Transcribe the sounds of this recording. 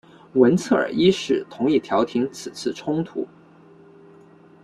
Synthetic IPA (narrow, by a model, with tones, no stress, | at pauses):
wə˧˥nt͡sʰɤ˥˩ə̰˞˨˩i˥ʂɻ̩˥˩t̪ʰʊ˧˥ŋi˥˩t̪ʰjɑ˧˥ʊt̪ʰi˧˥ŋt͡sʰɹ̩˨˩t͡sʰɹ̩˥˩ʈ͡ʂʰʊ˥ŋt̪ʰṵ˧˥